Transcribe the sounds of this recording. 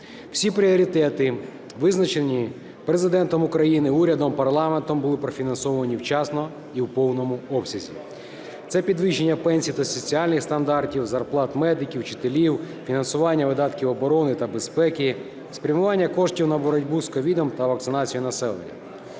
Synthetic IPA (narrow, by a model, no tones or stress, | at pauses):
w̥sʲipɾʲiɔɾʲit̪ɛt̪ɪ | ʋɪznɐt͡ʃenʲi | pɾezɪd̪ɛnt̪ɔmʊkɾɐjinɪuɾʲɐd̪ɔmpɐrlˠɑment̪ɔmbʊlˠɪpɾɔfʲinɐnsɔʋɔʋɐnʲiwt͡ʃɑsnɔ | iwpɔwnɔmʊɔpsʲɐzʲḭ | t̪sɛpʲid̪ʋɪʃenʲːɐpɛnʲsʲijt̪ɐsɔt͡sʲiɑlʲnɪxst̪ɐnd̪ɑrtʲiwzɐrplˠɑt̪mɛd̪ɪkʲiwt͡ʃɪ̥t̪elʲiwfʲinɐnsʊʋɑnʲːɐʋɪd̪ɑt̪kʲiwɔbɔɾɔnɪt̪ɐbe̞spɛkʲɪ | spɾʲɐmʊʋɑnʲːɐkɔʂtʲiwnɐbɔɾɔdʲbuskɔʋʲid̪ɔmt̪ɐʋɐk̚t̪sɪnɑt͡sʲijinɐsɛlˠḛnʲːɐ̰